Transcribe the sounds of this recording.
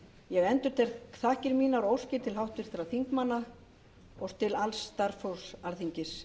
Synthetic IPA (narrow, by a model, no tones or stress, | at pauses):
jɛɣɛnt̪ʏɾ̥t̪ʰɛɾθahcɪɾmiːnaɾowscɪt̪ʰɪlɦawht̪ɪɾ̥θɪɾaθiŋkmanːa | ɔst̪ɪlalst̪aɾfowsalθiɲcɪs